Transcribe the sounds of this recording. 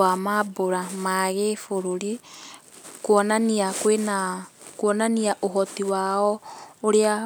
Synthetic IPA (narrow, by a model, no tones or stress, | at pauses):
amaboɾamaɣefoɾoɾi | kwɔnaniakwenakwɔnaniaʔoɦɔtiwaɔoɾea